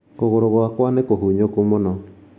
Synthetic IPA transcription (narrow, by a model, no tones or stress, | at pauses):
koɣoɾoɣoakwanekoɦuɲokomonɔ